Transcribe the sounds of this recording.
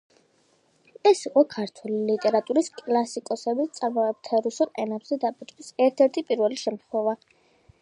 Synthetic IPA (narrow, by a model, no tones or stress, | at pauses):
ɛsiqʼɔkʰaɾt̪ʰwɛlilit̪ʼɛɾat̪ʼuɾiskʼlasikʼɔsɛbitt̪sʼaɾmɔɛt̪ʰɛɾusulɛnabz̥ɛd̪apʼit̪ʰʼkisɛɾt̪ʰɛɾt̪ʰipʼiɾvɛliʃɛmt̪χwɛva